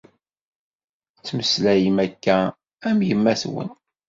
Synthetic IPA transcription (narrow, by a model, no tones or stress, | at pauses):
t͡sːməslæjimækːæ | æmjəmːæθwə̰n